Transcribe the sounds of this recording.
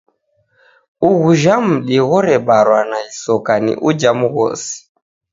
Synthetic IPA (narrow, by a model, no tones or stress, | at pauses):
uɣuʒam̩ɗiɣɔɾɛɓaɾwanaisɔkanḭʔud͡ʒamuɣɔ̰si̥